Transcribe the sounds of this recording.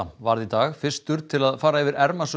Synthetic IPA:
amvaɾðit̪aːɣfɪr̥st̪ʏɾt̪ʰɪlaðfaːɾaɛvɪɾɛɾmasʏ

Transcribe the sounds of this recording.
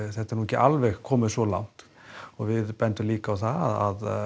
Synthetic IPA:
θɛht̪ːaɾnuɛcːɪʔalvɛxkʰɔːmɪðsvɔla̰wŋ̥t̪ | ɔɣvɪðpɛnt̪ʏmliːkaːwθaa̰ð

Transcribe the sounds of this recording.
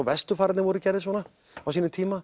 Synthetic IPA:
vɛst̪ʏfaːɾɪt̪nɪvɔɾʏcɛɾðɪsvɔːna | awsiːnɪt̪ʰiːma

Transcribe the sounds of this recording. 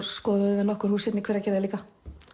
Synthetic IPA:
skɔːðʏvɪnɔhkʏɾ̥huːsjɛt̪nikʰɛːɾacɛːɾðɪliːka

